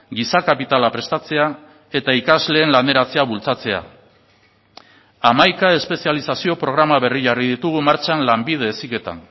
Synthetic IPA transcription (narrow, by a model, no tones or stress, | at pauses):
ɡisakapit̪alapɾe̞st̪at͡se̞a | e̞t̪aikazle̞ːnlane̞ɾat͡se̞aβult͡sat͡se̞a̰ | amajkae̞spe̞sialisasio̞pɾo̞ɣ̞ɾamaβ̞e̞riʝariðit̪uɣ̞umaɾt͡ʃanlambið̞e̞ːsike̞t̪a̰n